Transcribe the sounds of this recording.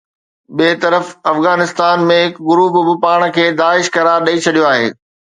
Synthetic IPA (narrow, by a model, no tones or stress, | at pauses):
ɓiːt̪ɐɾəfɐfɣaːnɪst̪aːnmẽɦɪkɡʊɾuːpbɪpaːɽ̃kʰeːd̪aːɪʃkɐɾaːɾɗɐit͡ɕʰɐɗijoaːɦḛː